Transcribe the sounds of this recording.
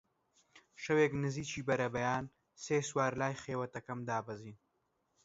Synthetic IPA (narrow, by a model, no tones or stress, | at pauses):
ʃɐweːknɨziːt͡ʃʰiːbɐɾɐbɐjaːn | seːswaːɾlaːjχeːwɐt̪ɐkɐmd̪aːbɐziːn